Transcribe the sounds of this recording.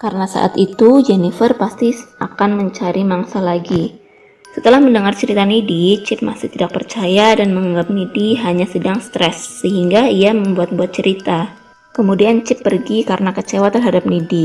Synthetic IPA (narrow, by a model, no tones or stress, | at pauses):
kaɾənasa̰ʔa̰t̪it̪ud͡ʒɛnifərpast̪iʔakanməɲt͡ʃaɾimaŋsalaɡi | sət̪əlahməndəŋart͡ʃəɾit̪anidit͡ʃɪp̚ma̰sɪht̪idak̚pərt͡ʃajadanməŋaŋɡap̚nidiɦaɲasədaŋst̪ɾɛsːəɦiŋɡaiaməmbuat̪̚buat̪̚t͡ʃəɾit̪a | kəmudiant͡ʃɪpːərɡikaɾənakət͡ʃewat̪ərɦadap̚nidi